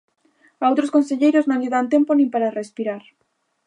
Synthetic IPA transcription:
awt̪ɾoskonseʎejɾoznõŋliðant̪emponĩmpaɾarespiɾaɾ

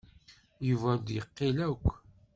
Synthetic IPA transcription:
juvæd̪jəqːilækʷː

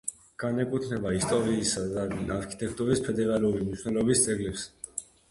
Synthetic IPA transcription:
ɡ̥anɛkʼut̪ʰnɛbaist̪ʼɔɾiːsad̪aaɾkʰi̥t̪ʼɛk̚ʰt̪ʼuɾispʰɛd̪ɛɾaluɾimniʃʰwnɛlɔbist̪sʼɛɡlɛps

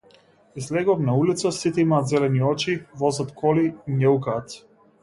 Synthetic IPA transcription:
izlɛɡɔmnaulit̪sasit̪ɛimaːt̪zɛlɛniɔt͡ʃivɔzat̪kʰɔliinɛukaːt̪

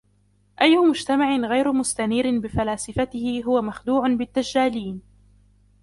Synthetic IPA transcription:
ʔajːʊmʊd͡ʒt̪amaʕɪnɣajɾʊmʊst̪aniːɾɪnbɪfalaːsɪfat̪ɪhɪɦʊwamaxd̪uːʕʊnbɪt̪ːad͡ʒːaːliːn

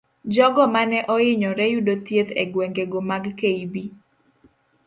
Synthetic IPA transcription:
d͡ʒɔɡɔmanɛʔɔɪɲɔɾɛjudot̪jet̪ɛɡwɛŋɡeɡomaɡkeibi

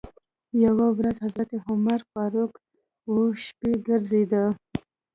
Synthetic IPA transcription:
jawawɾazhazɾat̪eɦʊmaɾfɑɾʊk | woʃpeɡəɾzed̪a

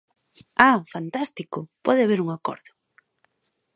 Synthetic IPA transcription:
afant̪ast̪ikʊpɔðɪaβeɾuŋakɔ̰ɾðʊ

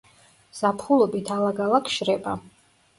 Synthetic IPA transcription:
z̥apʰχulˠɔbit̪ʰalˠaɡalˠakʰʃɾɛbʼa

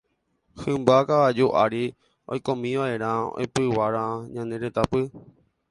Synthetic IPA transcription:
hɨ̃mbakaʋad͡ʒuʔaɾi | o̰jkõmĩʋaʔe̞ɾ̃ão̰epɨwaɾãɲãnẽɾet̪apɨ

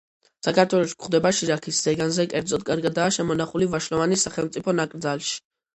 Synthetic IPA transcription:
sakʰaɾt̪ʰwɛlˠɔʃi̥ɡχd̪ɛbaʃiɾakʰisz̥ɛɡanzɛkʼɛɾd̪zʼɔd̪̚kʼaɾɡad̪aːʃɛmɔnaχulivaʃlɔvanisːaχɛlˠmt̪sʼipʰɔnakʼɾd̪zalˠʃi̥

